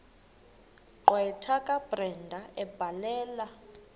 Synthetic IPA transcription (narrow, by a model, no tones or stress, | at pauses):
ǃwɛtʰakʼab̥rɛndʱaʔɛb̥ʱalɛːla